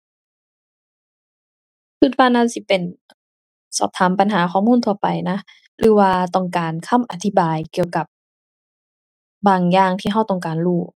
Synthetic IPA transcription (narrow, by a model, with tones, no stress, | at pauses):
sʰɯ˧˥t̪̚waː˧˨nːa˧˥˨si˧˩pe˨˩n | sɔ̰ː˧˩p̚t̪ʰaː˨˦mpa˨nɦaː˨˦kʰɔː˧˨muː˧˥˨nt̪ʰu˧ɐpa˨˩jna˦˧˥ | lɯː˨˦waː˧t̪ɔ˧˩ŋkaː˨nkʰa˧˥˨mʔa˨˧t̪ʰi˧baː˨jki˨˧˨əwka˧˦p̚ | baː˨ŋjaː˧ŋt̪ʰiː˧˩ɦa˧˥˩wt̪ɔ˧˩ŋkaː˨˩nluː˧˩